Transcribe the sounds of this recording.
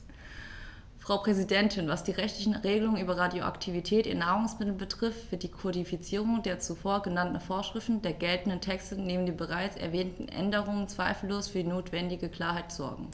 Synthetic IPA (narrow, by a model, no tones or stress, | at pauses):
fʁ̥aʊpʁ̥ɛzidɛntʰɪnvasd̥iːʁɛçtlɪçn̩ʁeːɡəlʊŋənʔyːbɐʁadjoʔa̰ktʰivitʰɛːtḭɐnaːʁʊŋsmɪtl̩bətʁ̥ɪftv̥ɪɐtd̥iːkʰodifit͡siːʁ̞ʊŋdeːɐt͡sufoːɐɡənantn̩foːɐʃʁ̥ɪftn̩deːɐɡɛltn̩dəntʰɛkstəneːməndiːbəʁaɪt͡sɛ̰ɐvɛːntn̩ʔɛ̰ndəʁʊŋənt͡sv̥aɪfl̩loːsfyːɐdiːnoːtv̥ɛndɪɡəkl̥aːɐɦaɪtz̥ɔɐɡŋ̩